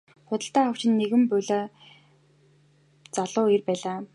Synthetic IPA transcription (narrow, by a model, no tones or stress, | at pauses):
χʊt̪ə̆ɬt̪æːaw̥t͡ɕɪ̆nːeɣɘ̆mpʊɮaː | t͡saɮʊːirpæːɮaː